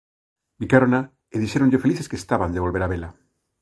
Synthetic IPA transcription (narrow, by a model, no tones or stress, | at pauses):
bikaɾona | eðiʃeɾonʎefeliθeskest̪aβand̪eβ̞o̞lβeɾaβela